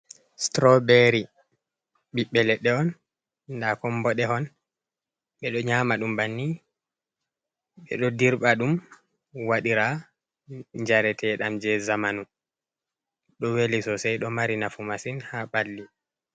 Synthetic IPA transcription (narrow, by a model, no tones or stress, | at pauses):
stɾɔbɛɾi | ɓiɓːɛlɛɗɛɔn | ndakɔmbɔɗɛɦɔn | ɓɛɗɔɲaːmaɗumbanːi | ɓɛ̰ɗɔdiɾɓaɗum | waɗiɾa | ɲd͡ʒaɾɛtʰɛɗamd͡ʒɛzamanu | ɗɔwelisɔsɛjɗɔmaɾinafumasinhaɓalːi